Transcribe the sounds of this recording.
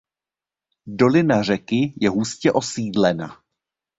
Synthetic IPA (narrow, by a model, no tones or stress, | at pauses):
do̞lɪnar̝ɛkɪjɛɦuscɛʔo̞siːdlɛna̰